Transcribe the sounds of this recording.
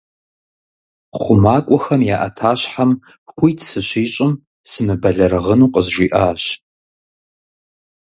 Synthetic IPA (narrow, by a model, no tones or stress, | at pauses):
χʷʊmaːkʷʼɔxɐmjaːʔɐ̰tʰaːɕħam | xʷʊjtʰsɨɕiːɕʼɪm | sɨmɨbɐɮɐɾɐʁənuːqʼəzʒʷiːʔaːɕ